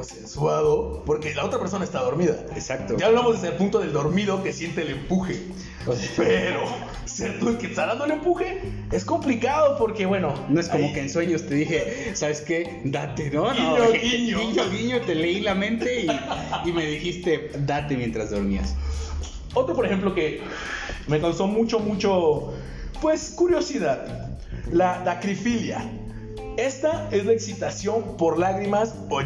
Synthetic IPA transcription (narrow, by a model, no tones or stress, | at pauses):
senswaðopoɾkelaot̪ɾapeɾs̬o̞naest̪aðo̞ɾmiða̰esak̚t̪od͡ʒaːβlamozðezalpunt̪o̞ðe̞ld̪o̞ɾmiðo̞kesje̞nt̪eːlempuxḛ | ospeɾo | seɾt̪uelket̪aðandoelempuxe̞ | esko̞mplikaðopoɾkeβwe̞nonoe̞sko̞mokeːnswe̞ɲo̞st̪eðixe̞saβe̞ske̞ | d̪at̪e̞nonooɣiɲoiɲoɣiɲot̪e̞leilamẽ̞nt̪e̞iime̞ðixist̪e̞ | d̪at̪e̞mje̞nt̪ɾazðo̞ɾmia̰s | o̞t̪ɾopoɾexe̞mp̬loke̞ | mekanst̪omut͡ʃo̞mut͡ʃo̞ | pwe̞skuɾjo̞siðað | lalakɾifilja̰ | e̞st̪ae̞zlaeksit̪asjo̞npo̞ɾlaɣɾimas | o